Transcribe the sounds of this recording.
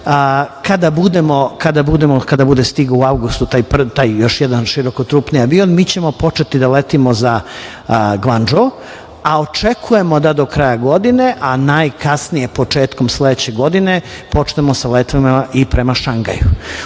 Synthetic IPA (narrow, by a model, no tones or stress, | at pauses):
kad̪abud̪emo̞kad̪abud̪e̞mokad̪abud̪e̞st̪iɡuuawɡust̪ut̪ajpr̩t̪ajjo̞ʃjɛd̪anʃiɾo̞kot̪ɾuːpnijaʋionmiːt͡ɕe̞mo̞po̞t͡ʃe̞t̪id̪alet̪imo̞za | ɡland͡ʒo | aot͡ʃe̞kʰuje̞mo̞d̪ad̪o̞kɾajaɡo̞d̪ine̞ʔanajkasnije̞po̞t͡ʃeːt̪ko̞msled̪et͡ɕe̞ɡo̞d̪ine̞po̞t͡ʃnemo̞salet̪ʋimaipɾe̞maʃaŋɡa̰ju